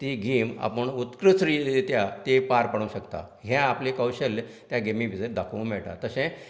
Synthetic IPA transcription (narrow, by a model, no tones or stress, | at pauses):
t̪iːɡʱiːma̰pəɳut̪kɾət͡sɾilet̪jat̪epaɾpəɽ̃uːɕəkt̪a̰ | ɦɛ̃aplekəwɕəl | t̪jaɡemĩbʱid͡zeʈ̚d̪ʱakʰʋũmɛɭʈa̰t̪əɕɛ̃